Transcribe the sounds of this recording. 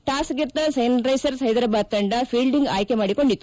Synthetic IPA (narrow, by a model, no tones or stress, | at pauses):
ʈaːsɡiɾt̪ːɐsɐjɐnɾɐjsɐɾsɐjd̪ɾɐbaːd̪̚t̪ɐɳɖɐpʰiːlɖiŋɡaːjkemaːɽiko̞ɳɖit̪ːu̥